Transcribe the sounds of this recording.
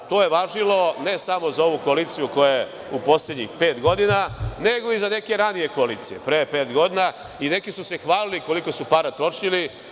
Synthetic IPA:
t̪o̞ːje̞ʋaʒilo̞ne̞samo̞zao̞ʋuko̞aliːt̪sijuko̞jaje | upo̞sled̪ɲḭxpe̞ːt̪ɡo̞d̪inane̞ɡo̞izane̞ke̞ɾanije̞ko̞aliːt̪sijḛpɾepe̞ːt̪ɡo̞d̪ina | ine̞kisuse̞xʋaːliliko̞liko̞supaɾat̪ɾo̞t͡ʃʎili

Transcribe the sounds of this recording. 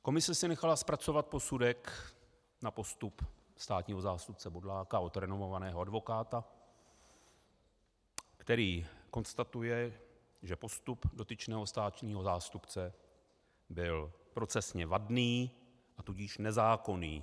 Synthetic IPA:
ko̞mɪsɛsɪnɛxalaspɾat͡so̞vat̪̚po̞sudɛk | napo̞st̪up | st̪aːt̪ɲiːɦo̞zaːst̪up̚t͡sɛbo̞dlaːkao̞t̪ɾɛnovo̞vanɛːɦoadvo̞kaːt̪a | kt̪ɛɾiːko̞nst̪at̪ujɛ | ʒɛpo̞st̪updo̞t̪ɪt͡ʃnɛːɦo̞st̪aːt̪ɲiːɦo̞zaːst̪upt͡sɛ | bɪlpɾo̞t͡sɛsɲɛvadniː | ʔat̪uɟɪʃnɛzaːko̞niː

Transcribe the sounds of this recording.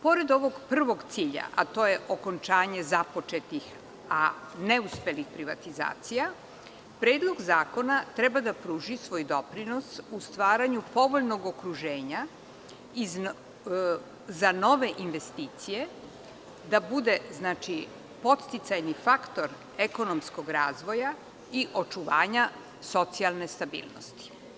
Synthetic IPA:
po̞ɾe̞d̪o̞ʋo̞ɡpr̩ʋo̞ɡt̪siːʎa̰ʔa̰t̪o̞ːjeʔoko̞nt͡ʃaːɲe̞zapo̞t͡ʃet̪ix | a̰ | neuspelixpɾiʋa̰t̪iza̰ːt̪sija | pɾe̞ːd̪lˠo̞ɡzaːko̞nat̪ɾɛbad̪apɾuːʒisʋo̞jd̪o̞pɾino̞sust̪ʋaːɾaɲupo̞ʋo̞ʎno̞ɡo̞kɾuʒeːɲa | i | zano̞ʋe̞ʔinʋe̞st̪iːt̪sije̞ | d̪abud̪e̞znaːt͡ʃi | po̞t̪st̪it̪sajnifakt̪o̞ɾ | eko̞nomsko̞ɡɾaːzʋo̞ja | iʔo̞t͡ʃuʋa̰ːɲa | so̞t̪sialˠne̞st̪abḭːlˠno̰st̪i̥

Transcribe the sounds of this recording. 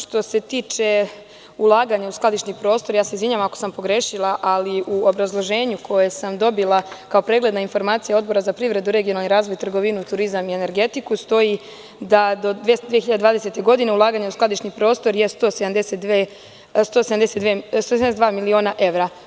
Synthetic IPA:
ʃt̪o̞se̞t̪iːt͡ʃe | ulˠaːɡaɲausklˠad̪iʃnipɾo̞ːst̪o̞ɾjaːse̞izʋiɲaʋamako̥sampo̞ɡɾeːʃilˠaʔaliʔuobɾazlˠo̞ʒe̞ːɲukʰo̞jesamd̪o̞bilˠakao̞pɾeːɡlˠe̞d̪nainfo̞ɾmaːt̪sijao̞d̪bo̞ɾazapɾiʋɾe̞d̪uɾe̞ɡionalniɾaːzʋo̞jt̪rɡo̞ʋinut̪uɾizamie̞ne̞ɾɡe̞t̪ikust̪o̞ji | d̪ad̪od̪ed̪ʋijexiʎad̪ed̪ʋaːd̪ese̞t̪e̞ɡo̞d̪ine̞ulˠaːɡaɲausklˠad̪iʃnipɾo̞ːst̪o̞ɾjest̪o̞ːsed̪amd̪eset̪e | st̪oːsed̪amd̪eseʋest̪oeed̪vaːmilio̞ːnaʔe̞ʋɾa

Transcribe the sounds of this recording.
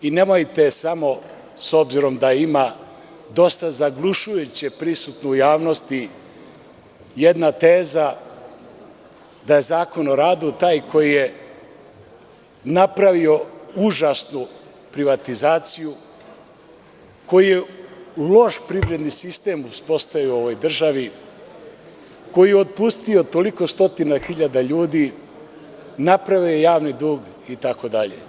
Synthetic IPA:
ine̞mojit̪e̞samo̞ | sobziɾo̞md̪aima | d̪o̞st̪azaɡluʃujut͡ɕepɾisut̪nujaːʋno̞st̪i | jed̪nat̪eːza | d̪aje̞zaːko̞no̞ɾaːd̪ut̪aːjkʰo̞jije | napɾaʋio̞uʒasnu | pɾiʋat̪izaːt̪siju | ko̞jije̞ulˠo̞ʃpɾiʋɾe̞d̪nisist̪e̞muspo̞st̪aʋio̞ʋojd̪r̩ʒaʋi | ko̞jijeot̪̚pust̪io̞t̪o̞liko̞st̪o̞t̪inaxiʎad̪aʎuːd̪i | napɾaʋiojejaːʋnid̪uːɡ | it̪ako̞d̪aʎḛ

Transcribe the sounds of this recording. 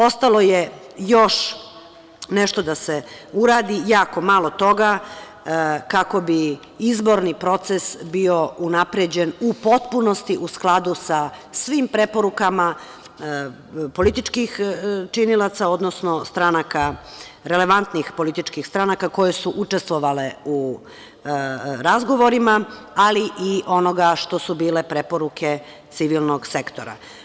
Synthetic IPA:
o̞st̪alˠo̞je | jo̞ʃ | neʃt̪o̞d̪aseuɾaːd̪ijaːko̞malˠo̞t̪o̞ɡa | kako̞bi | izbo̞ɾnipɾo̞t̪sesbio̞unapɾed͡ʑenupo̞t̪punost̪iʔusklˠad̪usasʋimpɾepoɾukama | po̞lit̪it͡ʃkixt͡ʃinilˠat̪sao̞d̪nosno̞st̪ɾanaka | ɾe̞le̞ʋant̪nixpo̞lit̪it͡ʃkixst̪ɾanakako̞je̞suʔut͡ʂe̞st̪ʋoʋale̞u | ɾazɡo̞ʋo̞ɾima | aliʔiʔo̞noɡaʃt̪o̞subiːle̞pɾe̞po̞ɾukʰe̞ | t̪siʋilˠnoɡse̞kt̪oɾa̰

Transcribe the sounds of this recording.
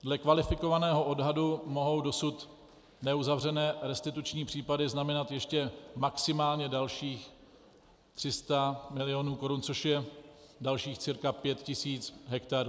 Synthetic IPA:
dlɛkvalɪfɪko̞vanɛːɦo̞ʔo̞dɦadumo̞ɦo̞wdo̞sut̪ | nɛuzavr̝ɛnɛːɾɛst̪ɪt̪ut͡ʃɲiːpr̥iːpadɪznamɛnat̪jɛʃcɛmaksɪmaːlɲɛdalʃiːx | t̪r̝̥ɪst̪amɪlɪjonuːko̞ɾunt͡so̞ʃjɛ | dalʃiːxt͡sɪɾkapjɛt̪cɪsiːt͡sɦɛkt̪aɾu

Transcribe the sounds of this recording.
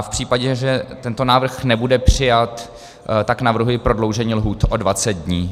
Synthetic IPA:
fpr̥iːpaɟɛʒɛt̪ɛnt̪o̞naːvr̩xnɛbudɛpr̝̥ɪjat̪ | t̪aknavr̩ɦujɪpɾo̞dlo̞wʒɛɲiːlɦuːt̪ʔodvat͡sɛt̪̚dɲiː

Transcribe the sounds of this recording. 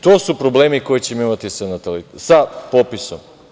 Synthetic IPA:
t̪oːsupɾo̞ble̞ːmiko̞jit͡ɕemoimat̪isanat̪alit̪sapopiso̞m

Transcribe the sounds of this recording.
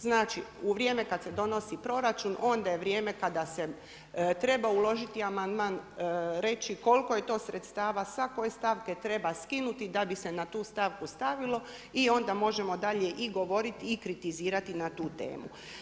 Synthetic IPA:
znaːt͡ʃiuʋɾʲjeːme̞kad̪se̞d̪o̞no̞sipɾo̞ɾat͡ʃunʔo̞nd̪aje̞ʋɾje̞ːme̞kad̪ase̞ | t̪ɾe̞baulˠo̞ʒit̪iamand̪maːnɾe̞t͡ʃiko̞lko̞je̞t̪o̞ːsɾet̪st̪aːʋasako̞je̞st̪aʋke̞t̪ɾe̞baskinut̪id̪abise̞nat̪uːst̪aʋkust̪aʋilˠo̞ | io̞nd̪amo̞ʒe̞mo̞d̪aʎe̞ʔiɡo̞ʋo̞ɾit̪iːkɾit̪iziːɾat̪inat̪uːt̪e̞̰ːmṵ

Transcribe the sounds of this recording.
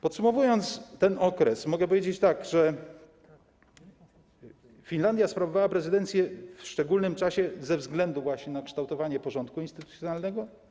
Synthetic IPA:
pɔt̪sumɔvujɔnt̪st̪ɛnɔkɾɛsmɔɡɛpɔvjed͡ʑet͡ɕt̪aɡʐɛ | fʲinland̪ʲjaspɾavɔvawapɾɛzɘd̪ɛnt̪sʲjɛfʂt͡ʂɛɡulnɘmt͡ʂaɕɛzɛvzɡlɛnd̪uvwaɕɲɛnakʂt̪awt̪ɔvaɲɛpɔʐɔnt̪̚kuinst̪ɘt̪u̥t̪sjɔnalnɛɡɔ

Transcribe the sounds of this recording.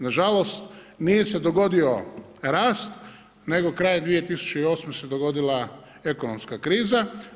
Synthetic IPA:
naʒalo̞st̪ | nije̞se̞d̪o̞ɡo̞d̪io̞ | ɾaːst̪ | ne̞ɡo̞kɾaːjad̪ʋije̞t̪isu̥t͡ʃeio̞ːsmesed̪o̞ɡo̞d̪ila | e̞ko̞nomskakɾiːza

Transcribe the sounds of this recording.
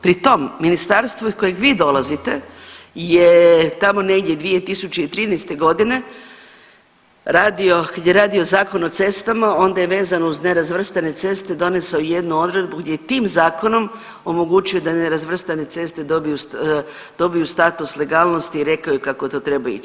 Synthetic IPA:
pɾit̪o̞mːinist̪aɾst̪ʋoiko̞jeɡʋiːd̪o̞lazit̪e̞jet̪amo̞ne̞ɡd̪je̞d̪ʋie̞t̪isut͡ʃeit̪ɾiːnɛjst̪e̞ɡo̞d̪ine̞ | ɾaːd̪io̞kad̪jeɾaːd̪io̞zaːko̞no̞t̪se̞st̪amao̞nd̪ajeʋe̞ːzanouzne̞ɾazʋr̩st̪ane̞t̪se̞st̪e̞d̪o̞ne̞soje̞d̪nuo̞d̪ɾe̞d̪buɡd̪ʲjejet̪iːmzaːko̞no̞m | o̞mo̞ɡut͡ʃujod̪aneɾazʋr̩st̪ane̞t̪se̞st̪ed̪obijus | d̪̥o̞bijust̪at̪usle̞ɡaːlˠno̞st̪iːɾe̞kaojekakot̪ot̪ɾe̞baj̰ḭt͡ʃ

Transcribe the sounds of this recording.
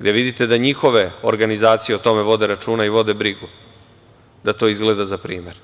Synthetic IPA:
ɡd̪e̞ʋid̪it̪e̞d̪aɲixo̞ʋe̞o̰ɾɡanizaːt̪sije̞ot̪o̞me̞ʋo̞d̪eɾat͡ʃuːnaiʋo̞d̪e̞bɾiɡu | d̪at̪o̞izɡle̞d̪azapɾiːme̞ɾ

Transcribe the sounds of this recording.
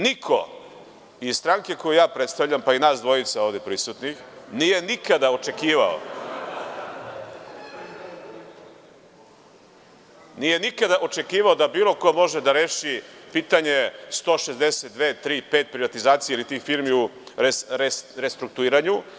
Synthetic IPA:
nikʰo̰ | izst̪ɾaŋke̞ko̞jujaːpɾe̞t̪st̪avʎampainaːsd̪ʋo̞jit̪sao̞ːʋd̪epɾisut̪nixnije̞nikad̪aot͡ʃe̞kiːʋao̰ | nije̞nikad̪aʔo̞t͡ʃe̞kiːʋaod̪abiːlˠo̞komo̞ʒed̪aɾeːʃipiːt̪aɲe̞st̪o̞ːʃezd̪eset̪d̪ʋeːt̪t̪ːɾiːpeːt̪̚pɾiʋat̪izaːt̪sijeilit̪iːxfiɾmiuɾesɾeɾest̪ɾuk̚t̪uiːɾaɲu

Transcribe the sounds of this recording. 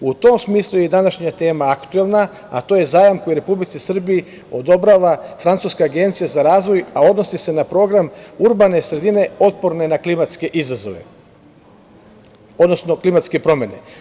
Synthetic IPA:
ut̪o̞msmiːslˠujed̪anaʃɲat̪e̞ːmaakt̪uelˠna | at̪o̞ːje̞zaːjamkojiɾe̞publit̪sisr̩biji | o̞d̪o̞bɾaʋafɾant̪suskaaɡe̞nt̪sijazaɾaːzʋo̞jao̞d̪no̞sise̞napɾo̞ɡɾamuɾbanesɾe̞d̪ine̞o̞t̪̚po̞ɾne̞naklimat̪ske̞ʔizazo̞̰ʋe̞̰ | od̪nosno̞klimat̪ske̞pɾo̞mje̞ne̞̰

